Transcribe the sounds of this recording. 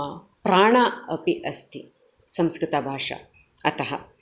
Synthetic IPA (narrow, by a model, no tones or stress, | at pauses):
pɾaːɳaɐpiʔɐst̪ʰi | sɐ̃mskɾɪt̪ɐbʱaːʂɐ̰ | ɐt̪ɐɦɐ